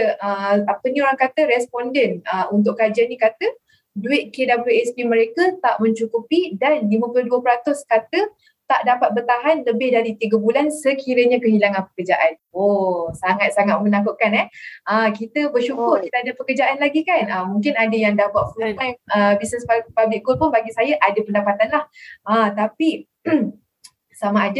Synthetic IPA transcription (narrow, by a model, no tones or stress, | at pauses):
əapənĩoɾaŋkat̪əɾɛspɔndɛnəunt̪̬ʊʔkad͡ʒianĩkat̪ə | duɪʔ̪̚kedabluɛspiməɾekət̪aʔmə̃ɲt͡ʃukupidanlimə̃pləduəpəɾat̪ʊskat̪ə | t̪aʔdapat̪̚bərt̪aɦanləbɪhdaɾit̪iɡəbulansəkiɾəɲakəɦilaŋanpə̥kərd͡ʒaʔan | osaŋat̪̚saŋat̪̚mə̃nãkʊʔ̚kanɛhakit̪əbərʃukʊrkit̪əadəpəkərd͡ʒaʔanlaɡikanəmũŋkɪnadəjaŋdawat̪̚fuajməbisnəspapablɪʔɡʊlpʊnbaɡisajaʔadəpəndapat̪anlahat̪api | samaad